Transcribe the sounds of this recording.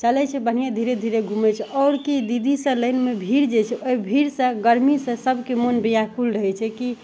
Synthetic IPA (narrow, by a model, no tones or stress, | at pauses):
t͡ʃəlɛt͡ʃʰɛbən̤ijad̪ʱiɾed̪ʱiɾeɡʱumɛt͡ʃʰɛʔɔʊɾkid̪id̪ʱisə̃ləɪnmebʱiɾd͡ʒet͡ʃʰɛojbʱiɾsə̃ɡəɾmisə̃səbʱkemonbijakʰulɾəɦɛt͡ʃʰɛki